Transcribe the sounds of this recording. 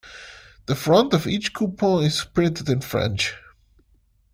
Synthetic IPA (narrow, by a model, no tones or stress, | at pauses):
ðəfɹʌ̃ntʌvit͡ʃkʰupʰɔ̃nɪz̥pʰɹ̥ɪ̃ntɨdɨ̃nfɹɛ̰̃nt͡ʃ